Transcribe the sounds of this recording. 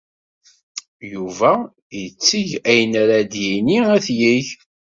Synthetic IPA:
juvæ | jət͡sːiʝæjnæɾad̪jiniæθjiç

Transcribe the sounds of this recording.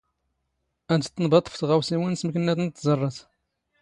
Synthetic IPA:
æd̪ət̪ːnbɑt̪ˤːə̥fθʁæwsiwinsməkənːæθnt̪ːzˤərˤːɑθ

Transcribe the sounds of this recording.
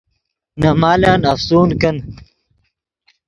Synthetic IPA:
nɐmaːlaːnɐfsuːnkɐn

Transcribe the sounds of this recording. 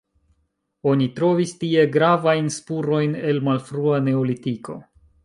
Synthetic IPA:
o̞nitɾo̞vistie̞ɡɾavajnspuɾo̞jne̞lmalfɾuane̞olitiko̞̰

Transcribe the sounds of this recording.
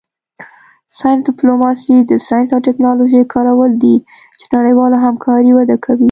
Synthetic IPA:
sɑjnsdɪplomɑsid̪əsɑjnsawʈɪknɑloʒejkʰɑɾawəld̪i | t͡ʃe̥naɽəjwɑlaɦamkʰɑɾiwad̪akʰawi

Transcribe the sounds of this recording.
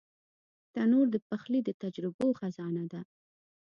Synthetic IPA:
t̪anoɾd̪əpaxlid̪ət̪ad͡ʒɾɪboxazɑnad̪a

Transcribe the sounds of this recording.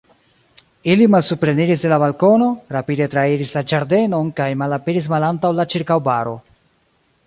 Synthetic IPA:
ilimalsupɾe̞niɾis̬delabalko̞no̞ɾapide̞tɾaiɾislad͡ʒaɾde̞no̞nkajmalapeɾis̬malantawlat͡ʃiɾkawbaɾo̞̰

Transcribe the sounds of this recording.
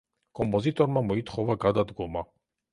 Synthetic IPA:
kʼɔmpʼɔzit̪ʼɔɾmamɔit̪ʰχɔvaɡad̪ad̪ɡɔma

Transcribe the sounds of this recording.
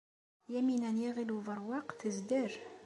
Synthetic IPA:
jæminænjiʁiluvəɾˤwɑqθəzd̪əɾ

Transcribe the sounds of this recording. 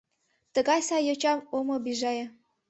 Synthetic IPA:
t̪ə̆ɣɑjsɑjot͡ɕɑmomŏbiʒɑjɤ̆

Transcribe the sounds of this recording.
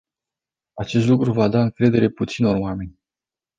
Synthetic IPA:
at͡ʃe̞st̪lukɾuvad̪aɨŋkɾe̞d̪e̞ɾe̞put̪sino̞rwame̞nʲ

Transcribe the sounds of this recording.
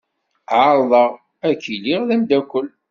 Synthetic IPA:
ʕaɾˤðˤəʁ | ækːiliʁðæmd̪ækʷːəl

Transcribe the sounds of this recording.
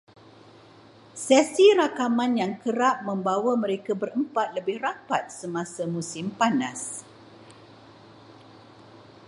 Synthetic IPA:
sɛsiɾakamãnjaŋkəɾaʔ̚mə̃mbawamə̃ɾekabəɾəmpat̪̚ləbɪhrapat̪̚səmasamũsɪmpanas

